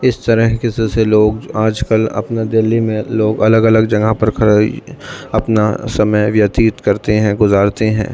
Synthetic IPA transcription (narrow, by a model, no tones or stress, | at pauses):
ɪst̪ɐɾəɦkeseseloːɡaːd͡ʒkəlɐ̰pnad̪ɪlːimẽloːɡɐləɡɐləɡd͡ʒɐ̃ɡapɐɾkʰɐɾa | ɐpnasɐməjʋjɐt̪iːt̪kɐɾt̪eɦɛ̃ɡʊzaːɾt̪eɦɛ̰̃ː